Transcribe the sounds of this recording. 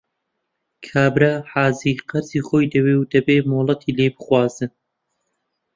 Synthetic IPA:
kʰaːbɾɐħaːziːqɐɾz̥iːχoːjd̪ɐweːwd̪ɐbeːmolˠɐt̪ʰiːlebɨχwaːzɨn

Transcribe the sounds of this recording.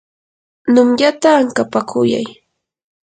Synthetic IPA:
nʊmʎat̪aːŋkapakʰʊja̰j

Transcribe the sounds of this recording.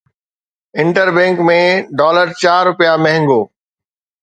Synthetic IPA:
ɪ̃ɳʈəɾbɛ̃ːŋkmẽɖɔːləɾt͡ɕaːɾːʊpijamɛ̃ɦɪ̃ŋɡoː

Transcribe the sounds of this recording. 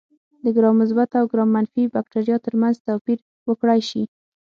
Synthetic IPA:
d̪əɡɾɑmʊz̬bat̪awɡɾɑmanfibak̚ʈaɾijɑt̪əɾmanzt̪apiɾ | wəkɽajʃi

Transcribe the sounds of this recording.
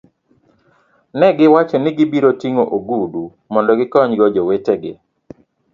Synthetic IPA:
nɛɡɪwat͡ʃɔnɪɡɪbiɾotiŋoʔoɡudu | mɔndɔɡɪkɔɲɡɔd͡ʒɔweteɡɪ̰

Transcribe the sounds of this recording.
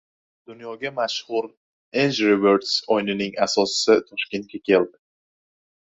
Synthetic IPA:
d̪ʊnjɒɡʲamaʃhʊɾ | enʃɾɪveɾd̪sɒjnɪnɪŋasɒsɪ̥sɪt̪ʰɒʃkʲent̪̚kʲʰakʲʰe̞ld̪ɪ

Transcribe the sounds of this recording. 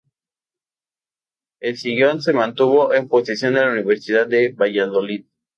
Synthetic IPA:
elsiɣjonsemãnt̪uβoʔemposisjo̞nd̪elauniβeɾsiðad̪d̪eβaʝaðolið

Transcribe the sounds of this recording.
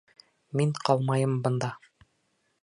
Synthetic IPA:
miɴqʰɑlˠmɑjɤmbɤ̆nd̪ɑ

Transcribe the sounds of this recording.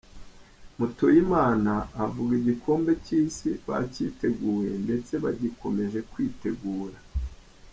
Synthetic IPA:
mutojimaːnaːvuɡiɟikʰo̞ːmbe̞ciːsiβa̰cḭːte̞ɡuːwe̞nde̞t͡se̞βaɟikʰo̞me̞ʒe̞kwiːte̞ɡuːɾa

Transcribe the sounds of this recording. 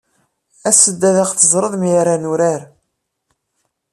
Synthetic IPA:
æsəd̪ːæðaqθəzˤɾˤəðˤmjaɾanuɾaɾ

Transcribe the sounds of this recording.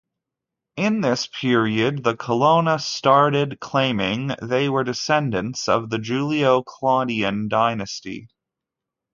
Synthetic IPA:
ɪ̃nðɪspʰɪɹiɨd̪̚ðəkʰəlõʊ̃nəstɑɹɾɪd̚kʰl̥ẽɪ̃mɪ̃ŋðeɪwə˞dɨsɛ̃ndɨ̃ntsʌ̰vðɨd͡ʒʉlˠioʊkʰl̥ɑɾiɨ̃ndaɪnɨstḭ

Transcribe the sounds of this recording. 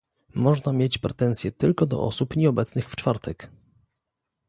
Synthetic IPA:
mɔʐnamʲjet͡ɕpɾɛt̪ɛnsʲjɛt̪ɘlkɔd̪ɔ̰ʔɔ̰supɲɛɔbɛt̪snɘxft͡ʂfaɾt̪ʰɛk

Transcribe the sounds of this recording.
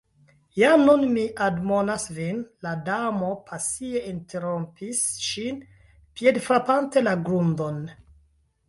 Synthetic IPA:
janunmiʔadmo̞nasvinladamo̞pʰasie̞intʰe̞ɾo̞mpisʃin | pje̞dfɾapante̞laɡɾundo̞n

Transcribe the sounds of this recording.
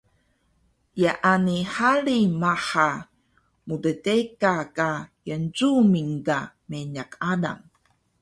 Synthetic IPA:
jaʔanihaɭimaħa | mudətekakajənzumiŋkameɲakada̰ŋ

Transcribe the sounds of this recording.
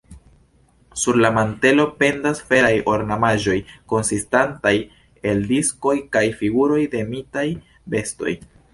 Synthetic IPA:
suɾlamante̞lo̞pe̞ndasfe̞ɾajo̞ɾnamaʒo̞jko̞nsistantaj | e̞ldisko̞jkajfiɡuɾo̞jde̞mitaj | be̞sto̞̰j

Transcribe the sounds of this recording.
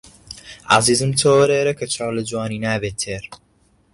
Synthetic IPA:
ʔa̰ziːzɨmt̪ʰoːwɾeːɾɐkʰɐt͡ʃʰaːwlɐd͡ʒuwaːniːnaːbeːt̪ʰːeːɾ

